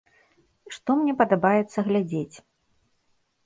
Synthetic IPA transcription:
ʂt̪ɔmnʲɛpɐd̪abajɛt̪sːɐɣlʲad͡zʲet͡sʲ

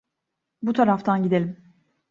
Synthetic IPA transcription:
but̪ʰaɾaft̪ʰanɟid̪elʲim

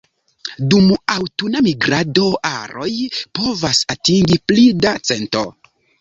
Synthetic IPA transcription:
dumawtunamiɡɾado̞ʔa̰ɾo̞jpo̞vasatiŋɡiplidat͡se̞nto̞̰

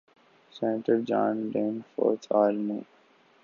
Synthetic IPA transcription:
sɛnʈəɾd͡ʒã̰ːnɖẽːnfɔ̰ːɾt̪ʰaːlnuː

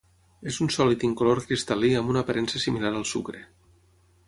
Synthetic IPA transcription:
ezunsɔlit̪iŋkoloɾkɾist̪aliəmbunəpaɾʔɛnsesimilaɾəlˠsṵkɾe

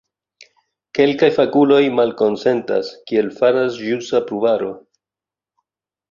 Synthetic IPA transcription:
ke̞lkajfakulo̞jmalko̞nse̞nta̰skie̞lfaɾasʒusapɾubaɾo̞

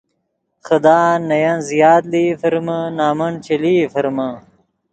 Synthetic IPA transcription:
xɐd̪aːnːɐjɐnzijaːt̪lifɐɾmɐnaːmɐnt͡ʃeliːfɐɾmɐ

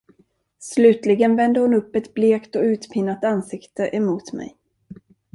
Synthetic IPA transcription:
slʉ̟ːt̪lɪɡənvɛnd̪əhʊnɵpːɛt̪bleːkt̪ɔʉ̟ːt̪pʰɪnːat̪ansɪkt̪əʔɛmuːt̪mɛ̰j

